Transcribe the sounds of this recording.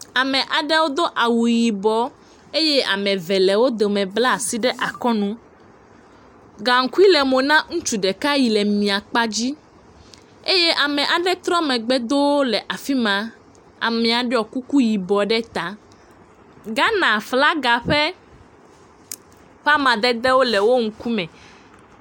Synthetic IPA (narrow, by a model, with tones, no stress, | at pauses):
a˨mɛ̃˨ʔa˨ɖɛ˦wo˦d̪o˦ʔa˨wu˨ji˨bɔ˨ | e˦jɛ˦ʔa̰˨mɛ̃˨vɛ˨lɛ˨wo˦d̪o˨mɛ̃˨bla˦˨si˦ɖɛ˦ʔa˨kɔ˦nũ˦ | ɡa˨ŋ̩˨˦ku˦i˦lɛ˨mo˨nã˦ŋũ˦t͡ʃu˨ɖɛ˨ka˦ji˨lɛ˨mĩ˨a˨k͡pa˦d͡ʑi˦ | e˦jɛ˦ʔa˨mɛ̃˨ʔa˨ɖɛ˦t̪ɾɔ˦mɛ̃˨ɡ͡bɛ˦d̪o˦wo˦lɛ˨ʔa˨fi˦mã˨ | a̰˨mɛ̃˨a˨ɖɛ˦ɔ˨ku˦ku˦ji˨bɔ˨ɖɛ˦t̪a˨ | ɡa˦nã˨fla˦ɡa˨ɸɛ˦ | ɸa˦mã˨d̪ɛ˦d̪ɛ˦wo˦lɛ˨wo˦ŋ̩˦ku˦mɛ̃˨